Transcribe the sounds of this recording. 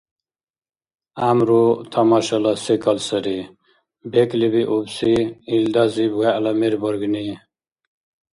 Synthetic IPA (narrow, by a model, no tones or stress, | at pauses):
amɾut̪ʰamaɕalasikalsəɾi | beklibiʔubsiild̪azibɡaɐlameɾbəɾɡni